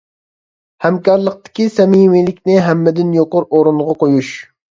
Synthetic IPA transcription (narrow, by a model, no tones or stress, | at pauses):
hɛmkɑɾlˠəq̚t̪ɪ̥kʲisɛmimilɪkʲnɪɦɛmːɪd̪ɪnjoqʊɾoɾuɴʁɑqojuʃ